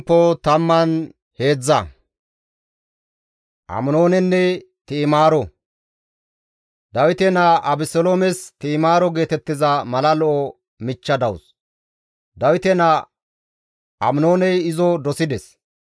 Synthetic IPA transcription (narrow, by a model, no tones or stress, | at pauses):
pːɔt̪ɐmːɐn | he̞ːd͡zːɐ | ʔɐ̰mno̞ːnɛnːɛ | t̪iːmaːɾɔ | d̪ɐwɪt̪ɛnɐʔɐbɪsɔloːmɛst̪iːmaːɾɔɡe̞ːt̪ɛt̪ːɪzɐmɐlɐlɔʔɔ | mɪt͡ʃːɐd̪ɐws | d̪ɐwɪt̪ɛnɐ | ʔɐmnoːnɛjɪzɔd̪ɔsɪd̪ɛs